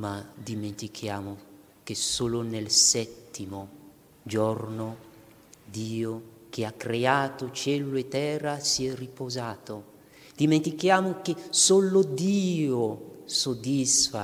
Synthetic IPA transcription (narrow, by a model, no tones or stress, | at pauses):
mad̪iment̪ikʰjaːmo | kesoːlonelsɛt̪ːimo | d͡ʒɔrno | d̪iːo | k̟eakːɾeaːt̪ot͡ʃɛluloet̪ːɛːrasiɛripozaːt̪o | d̪̥iment̪ikjaːmokesolod̪iːosod̪isfa